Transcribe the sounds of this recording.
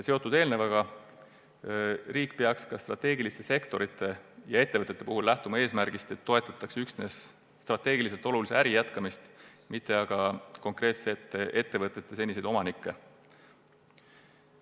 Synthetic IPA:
seo̞t̪ːˑud̪̥e̞ːlnevɑɡ̥ɑ | riːkpeɑkskɑst̪rɑt̪ːe̞ːɡilist̪e̞se̞kt̪o̞ɾit̪ːˑe̞jɑe̞t̪ːevɤt̪et̪ːe̞puɦulːæht̪umɑe̞ːsmæɾɡ̥ist̪e̞t̪ːo̞e̞t̪ːˑɑt̪ːˑɑksyksne̞sː | t̪rɑt̪ːˑe̞ːɡilise̞lt̪ˑo̞luliseæɾijæt̪kɑmist̪mit̪ːˑe̞ɑɡ̥ɑko̞ŋkre̞ːt̪set̪ːˑe̞ʔe̞t̪ːe̞vɤt̪ːˑe̞t̪ːe̞se̞nʲise̞jd̪o̞mɑnikːe̞

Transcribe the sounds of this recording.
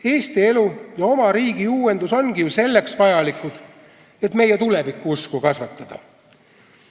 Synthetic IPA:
e̞ːst̪ie̞lujɑo̞mɑɾiːɡ̥iuːe̞nd̪̥uso̞nɡ̥ijuse̞lːe̞ksvɑjɑlikud̪̥ | et̪me̞jet̪ule̞vikˑːuuskukɑsvɑt̪ːˑɑd̪̥ɑ̰

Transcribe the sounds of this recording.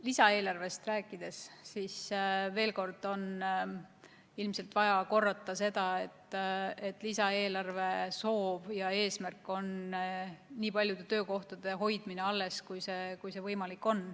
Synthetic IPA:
lisɑe̞ːlɑrve̞st̪ræːkːˑid̪̥e̞sːisve̞ːlko̞rd̪̥o̞n | ilmse̞lt̪vɑjɑko̞rːɑt̪ˑːɑse̞d̪̥ɑe̞t̪ˑːet̪ːˑlisɑe̞ːlɑrve̞so̞ːb̥jɑe̞ːsmærkːˑo̞n | niːpɑlʲjud̪e̞t̪ø̞ːko̞ht̪ɑd̪̥e̞ɦo̞jd̪̥mine̞ɑlːe̞skujse̞kujse̞vɤjmɑlikːˑo̞n

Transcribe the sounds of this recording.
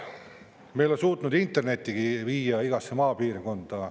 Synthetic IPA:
mejlolesuːt̪nud̪int̪ːˑe̞rne̞t̪ʲˑːiɡ̥iviːjɑiɡ̥ɑsemɑːpiːrko̞nd̪̥ɑ

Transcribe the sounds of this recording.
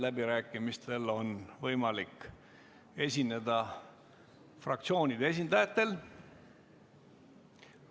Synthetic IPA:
læbiɾæːkːˑimist̪e̞lo̞nvɤjmɑlikː | e̞sʲine̞d̪ɑ | frɑ̰k̚t̪sio̞ːnʲid̪̥ee̞s̬ʲind̪ɑjɑt̪ːˑe̞l

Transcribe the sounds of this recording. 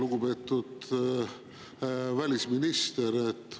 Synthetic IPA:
luɡube̞ːt̪ːˑud̪̥ | vælʲisminist̪eɾet̪ː

